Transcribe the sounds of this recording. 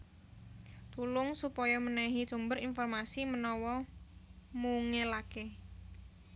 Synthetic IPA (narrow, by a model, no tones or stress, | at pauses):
t̪ulʊŋsupɔjɔmənɛɦi̥t͡ʃumbəɾinfɔrmasimənɔwɔ | muːŋelake